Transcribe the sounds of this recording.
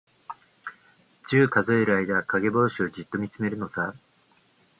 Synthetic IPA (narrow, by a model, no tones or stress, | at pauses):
t͡ɕɨːkazo̞e̞ɾɯ̟aid̪akaɡe̞bo̞ːɕio̞d͡ʑit̪ːo̞mʲit͡sɨme̞ɾɯ̟no̞sa